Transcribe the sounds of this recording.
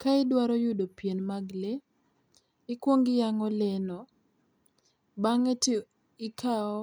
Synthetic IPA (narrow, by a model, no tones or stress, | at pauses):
kaɪdwaɾɔjʊdopjenmaɡle | ɪkwoŋɡɪjaŋɔlɛnɔ | baŋeti | ɪkaɔ